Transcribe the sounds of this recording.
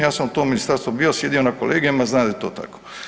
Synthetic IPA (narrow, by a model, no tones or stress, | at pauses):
jaːsamut̪oːminist̪aɾst̪ʋobiosje̞d̪ijo̞nakolʔeːɡijemaznaːd̪aet̪oːt̪a̰ko̥